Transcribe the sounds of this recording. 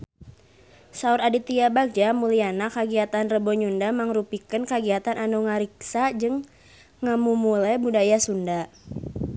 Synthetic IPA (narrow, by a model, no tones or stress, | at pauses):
sauɾadit̪iabak̚d͡ʒamulianakːaɡiat̪anrəbɔɲundamaŋɾupikənkəɡiat̪anʔanuŋaɾiksad͡ʒɨŋ | ŋamumulɛbudajasunda